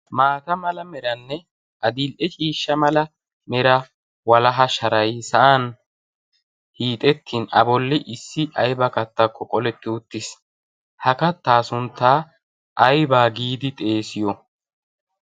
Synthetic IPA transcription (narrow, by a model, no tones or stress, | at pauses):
maːt̪ɐmɐlɐmɛɾɐnːɛ | ʔɐd̪ilʔɛt͡ʃʼiːʃːɐmɐlɐ | mɛɾɐ | wɐlɐɦɐʃɐɾɐjsɐʔan | hiːt̪ʼɛt̪ːinɐ̰bɔlːɪʔɪsːɪʔɐjbɐkɐt̪ːɐkʰːɔkʼɔlɛt̪ːɪʊt̪ːɪs | hɐkɐt̪ːaːsʊnt̪ːaː | ʔɐjbaːɡiːd̪ɪt̪ʼe̞ːsɪjɔ